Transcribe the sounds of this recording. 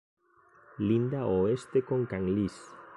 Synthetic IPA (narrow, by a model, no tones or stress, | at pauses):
lind̪aoest̪ekõŋkaŋlis